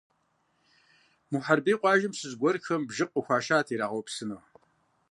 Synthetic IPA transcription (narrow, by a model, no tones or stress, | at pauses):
muħarbiːqʷʼɑːʒɪmsɨzɡʷɔrxɐmbʒɨqʼəxʷɑːʃaːtʰiːɾaːʁowpsɨnow